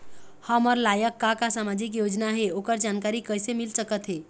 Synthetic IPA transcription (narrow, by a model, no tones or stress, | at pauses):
həməɾlajəkːakasamad͡ʒikjod͡ʒnaɦeokəɾd͡ʒankaɾikəjsemilsəkət̪ɦe